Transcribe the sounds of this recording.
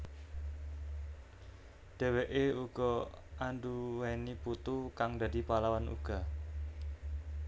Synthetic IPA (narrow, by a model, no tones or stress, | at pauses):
d̪̥e̤weʔeuɡ̥ɔ | ʔanduwɛniput̪ukaŋd̪adi̤palawanṵɡ̥a̤